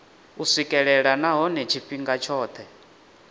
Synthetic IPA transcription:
usikʼɛɺɛɺanaɦɔnɛt͡ʃʰiɸiŋɡat͡ʃʰɔːt̪ʰɛ

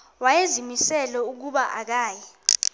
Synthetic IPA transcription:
wajezimisɛlɛuk̬uɓaʔak̬aːjɛ

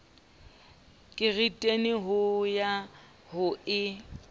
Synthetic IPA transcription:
kʼɪɣitʼenɪɦʊja | hʊɪ

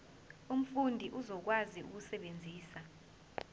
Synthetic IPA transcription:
um̩fundʱiʔuzɔk̬waziṵk̬usɛɓend͡zʱiːsa

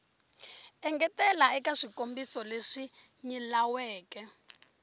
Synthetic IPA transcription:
ɛŋɡɛtɛlaɛkaʂikombisɔleʂi | ɲilawɛːkɛ

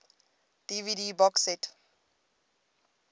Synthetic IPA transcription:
d̥ividibɔksɛt

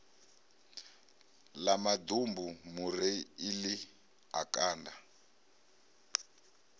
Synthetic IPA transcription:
lamad̪umbumuɾeili | a̰kʼaːnda

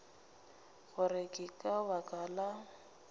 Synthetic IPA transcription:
ɣʊrɪkʼɪkʼabakʼala

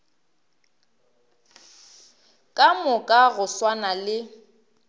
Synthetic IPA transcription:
kʼamʊkʼaɣʊswanalɪ

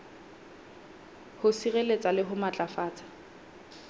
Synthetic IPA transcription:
hʊsirelet͡sʼalɪɦʊmat͡ɬʼafaːt͡sʼḁ

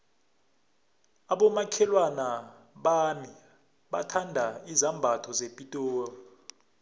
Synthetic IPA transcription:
aɓɔmakʰɛlwana | ɓami | ɓa̰tʰandʱaizambʱatʰɔzepʼitʼɔːjɔ

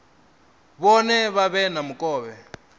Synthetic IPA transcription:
βɔnɛβaβɛnamukʼɔːβɛ

